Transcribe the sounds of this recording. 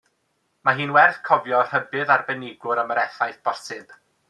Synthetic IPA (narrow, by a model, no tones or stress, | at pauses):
maɦiːnwɛrθkʰɔvjɔr̥əbɨðarbɛnɪɡʊɾəməɾɛθajθb̥ɔrsɪb̥